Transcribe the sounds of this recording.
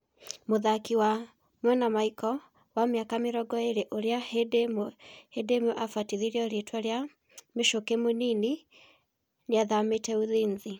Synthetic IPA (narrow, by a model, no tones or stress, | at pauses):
moðakiwa | mwɛnamaikɔ | wamjakameɾɔɡɔeɾeʔoɾeahedmhedemoʔafatiðiɾiɔɾetwaɾja | meʃokemonini | neaðametɛuðiːnzi